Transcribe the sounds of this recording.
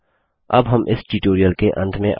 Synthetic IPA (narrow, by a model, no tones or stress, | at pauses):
ɐbɦɐmʔɪsʈiʈoːɾijəlkeʔɐ̰̃nd̪mẽʔ